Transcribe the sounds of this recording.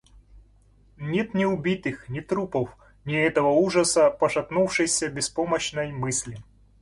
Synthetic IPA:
nʲet̪nʲɪʊbʲit̪ɨxnʲɪt̪ɾupəf | nʲɪɛt̪əvəuʐəsəpəʂɐpnufʂɨjsʲəbʲɪspoməɕnəjmɨsʲlʲɪ

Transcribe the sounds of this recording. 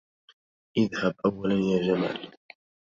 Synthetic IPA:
ʔɪðhabʔawːalanjaːd͡ʒama̰ːl

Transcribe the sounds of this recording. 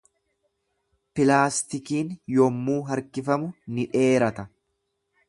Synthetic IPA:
pɪlaːst̪ɪkiːnjɔmːuːɦɐɾkɪfɐmʊnɪᶑe̞ːɾɐt̪ɐ

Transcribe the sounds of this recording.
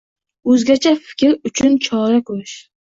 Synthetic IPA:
ɵzɡʲat͡ʃʰafɪ̥kʲɾʊt͡ʃʰʊnt͡ʃʰɒɾakʰɵɾɪʃ

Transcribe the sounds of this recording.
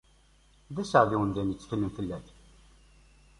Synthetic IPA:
ðæsəʕðiwənd̪ænət͡sːθəlːəmθəlːæθ

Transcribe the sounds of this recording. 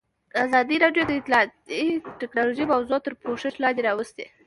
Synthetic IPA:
azɑd̪iɾɑɖjod̪aɪt̪lɑt̪iʈɪknɑloʒimawzot̪əɾpoʂɪʃlɑnd̪eɾɑwəst̪e

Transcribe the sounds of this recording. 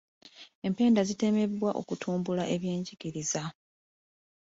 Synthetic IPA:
e̞mpe̞ːndazite̞me̞βwaʔo̞̰kutʰuːmbulaʔe̞βje̞ːɲɟiɡiɾiza

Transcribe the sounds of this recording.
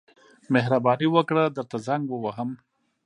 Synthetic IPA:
meɦɾabɑniwəkɽad̪əɾt̪azaŋɡwəwaɦəm

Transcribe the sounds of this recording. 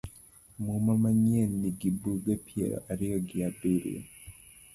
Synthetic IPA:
mumamaɲenːiɡibuɡepiḛɾɔ̰ʔaɾijoɡiabiɾḭ

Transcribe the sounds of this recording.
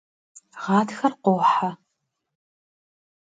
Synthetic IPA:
ʁɑːtxɐrqʷoːħa

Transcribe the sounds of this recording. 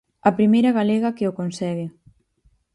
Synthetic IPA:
ɐpɾimejɾɐɣalɛɣɐkeokonsɛɣɪ

